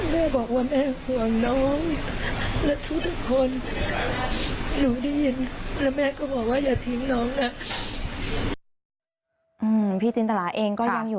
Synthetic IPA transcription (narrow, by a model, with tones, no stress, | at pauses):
mɛː˥˩bɔː˨˩k̚waː˥˩mɛː˥˩hu˨˩əŋnɔː˦˥ŋ | lɛ˦˥t̪ʰu˥k̚t̪ʰu˧˥˩kʰːo˧n | nuː˨˩˦da˥˩ji˧nlɛ˦˥wmɛː˥˩kɔː˥˩bɔː˨˩k̚waː˥˩jaː˨˩t̪ʰi˧˦ŋnɔː˦˥ŋna˦˥ | ʔɯː˧mpʰiː˥˩t͡ɕi˧nt̪ʰa˧laː˩˦ʔeː˧ŋkɔː˥˩ja˥˩ŋjuː˨˩